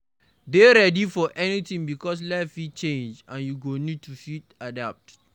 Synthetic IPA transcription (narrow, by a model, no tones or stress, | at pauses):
deɾɛdifɔʔɛnitĩŋbikɔs̬lɛfit͡ʃẽnd͡ʒãnjuɡonid̚tufitadap̚t